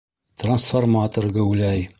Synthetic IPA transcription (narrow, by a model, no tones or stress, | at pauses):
t̪ransformat̪orɡɘwlæj